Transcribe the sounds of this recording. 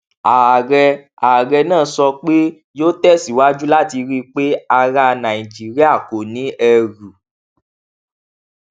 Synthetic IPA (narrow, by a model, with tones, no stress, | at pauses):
a˨ɾɛ˧ | a˨ɾɛ˧nãː˦˨˧sɔ˧k͡pe˦ | joː˦tɛ˦˨si˨wa˨˦d͡ʒu˦la˦˨ti˧ɾi˦k͡pe˦a˦ɾa˦˧nã˨i˨d͡ʒi˨˦ɾi˦a˦˨ko˨nĩ˨˦ɛ˧ɾu˨